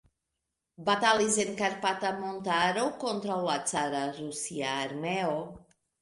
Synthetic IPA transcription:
bat̪alizeŋkaɾpat̪amont̪aɾowkont̪ɾawlat̪t͡saɾarusiaːɾmeo

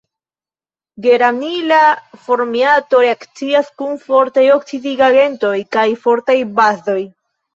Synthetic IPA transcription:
ɡe̞ɾamilafo̞ɾmiato̞ɾe̞akt͡siaskunfo̞ɾtajo̞ksidiɡaɡe̞nto̞jkajfo̞ɾtajbazo̞j

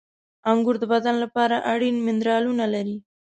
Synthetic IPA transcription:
aŋɡʊɾd̪əbad̪anlapɑɾaʔaɽinmɪnd̪ɾɑlunalaɾi

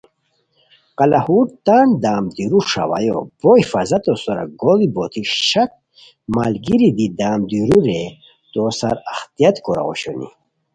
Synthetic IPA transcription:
qalahuɾt̪and̪aːmd̪iɾuʂa̰wa̰jo̰bɔifazat̪osɔɾa̰ɡoɡibot̪ʰiɕak̚ | malɡiɾid̪id̪aːmd̪iɾuɾe | t̪osa̰ɾaxt̪iat̪koɾa̰o̰ɕonḭ

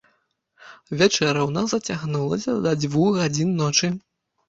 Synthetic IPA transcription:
vʲat͡ʂɛɾɐwnasɐt͡sʲaɣnulˠɐsʲɐd̪ɐd͡zʲvuɣɣad͡zʲinːɔt͡ʂɨ

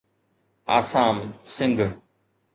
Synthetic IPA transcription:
a̰ːsaːmsɪ̃ŋɡʱ

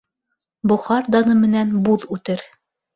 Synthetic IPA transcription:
bŏχɑɾd̪ɑnɤmɘ̆nænbuðʉt̪ɘɾ

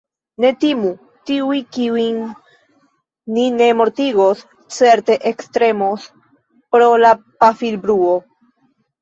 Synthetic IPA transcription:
ne̞timu | tiujkiuin | ine̞mo̞ɾtiɡo̞s | t͡se̞ɾte̞ʔekst̪ɾe̞mos | pɾo̞lapafilbɾuo

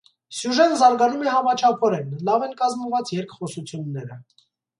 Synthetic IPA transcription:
sjuʒɛnzɑɾɡɑnumɛhɑmɑt͡ʃʰɑpʰɔɾɛnlɑvɛnkɑzməvɑt͡sjɛɾkʰχɔsut͡sʰjunːɛɾə

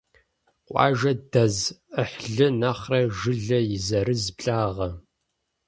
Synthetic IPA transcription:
qʷʼɑ̰ːʒɐdɐzəħɮɨnɐχrɐʒɨɮɐjɪzɐɾɨzbɬʼaːʁɐ

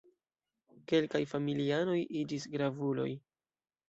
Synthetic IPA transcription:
ke̞lkajfamiliano̞jʔid͡ʒisɡɾavulo̞̰j

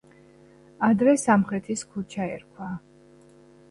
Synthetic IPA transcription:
ad̪ɾɛsamχɾɛt̪ʰiskʰut͡ʃʰaɛ̰ɾkʰwa

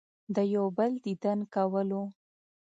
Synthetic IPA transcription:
d̪əjawbəld̪id̪ənkawəlo

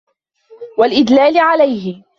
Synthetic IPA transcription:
walʔɪd̪laːlɪʕalajɦɪ

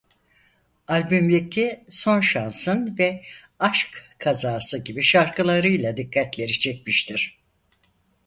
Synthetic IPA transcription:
alʲbymlʲicʰːiso̞nʃansɯnvɛ | aʃkkʰazaːsɯɟibiʃaɾkʰɯlˠaɾɯjlˠad̪ikʰːat̪lʲe̞ɾit͡ʃʰɛc̚miʃt̪ʰiɾ̥

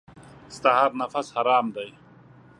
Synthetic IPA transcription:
st̪aɦaːɾnɐfɐshɐɾaːmd̪ɐj

